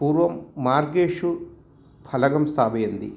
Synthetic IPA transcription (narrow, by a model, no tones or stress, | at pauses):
puːɾʋɐmːaːɾɡeːʂu | pʰɐlɐɡɐmst̪ʰaːbɐjɐnd̪i